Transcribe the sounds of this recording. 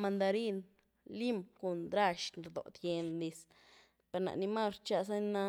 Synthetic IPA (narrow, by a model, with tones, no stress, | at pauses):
ma˧nd̪a˧ɾi˦n | li˦mku˨nd̪ɾa˦˧ʃnɾd̪o̰˨t̪je˧nd̪i˧s | pe˨ɾna̰˨ʔni˧ma˦ɾt͡ʃa˧s̬a˦na˧